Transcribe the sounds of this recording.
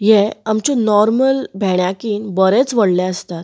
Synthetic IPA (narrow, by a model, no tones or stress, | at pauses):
jeamt͡ɕɔnɔɾməlbʱɛɽ̃jakiːnbəɾɛt͡sʋəɽlɛ̃əst̪at̪